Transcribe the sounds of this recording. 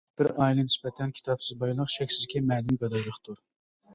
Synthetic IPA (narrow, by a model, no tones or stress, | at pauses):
b̥ɪɾɑjilˠɨnispɛt̪ʰɛnkʲʰi̥t̪ʰɑpsɪzbɑjlˠəqʃɛkʲsɪzɪkʲʰɛmɛːd̪ɪmbɛd̪ɑjlˠəχt̪ʰuɾ